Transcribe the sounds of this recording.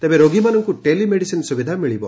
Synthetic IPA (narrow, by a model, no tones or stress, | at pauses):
t̪ebeɾoɡimanɔŋkuʈelimeɽisinsubid̪ʱamiɭibɔ